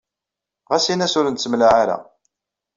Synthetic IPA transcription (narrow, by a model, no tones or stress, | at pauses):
ʁæsinæsʊɾənt̪səmlaʕaɾa̰